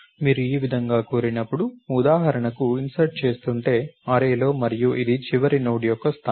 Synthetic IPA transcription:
miːɾuiːʋid̪ʱɐŋɡaːkuːɾinɐpːuɽuud̪aːɦɐɾɐɳɐkuinsɐɾʈ̚t͡ʃe̞ːst̪uɳʈe̞ːɐɾeːlo̞ːmɐɾijuʔid̪it͡ʃiʋɐɾinoːɽijɔkːɐst̪ʰa

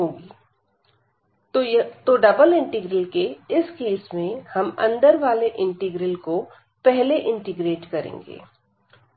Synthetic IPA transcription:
ɦoːɡiː | t̪oɖɐbəlɪ̃ɳʈɪɡɾəlkeɪskeːsmẽhɐmɐ̰̃nd̪əɾʋaːleʔɪ̃ɳʈɪɡɾɪlko | pɛɦleʔɪ̃ɳʈɪɡɾeːʈkɐɾḛ̃ːŋɡḛː

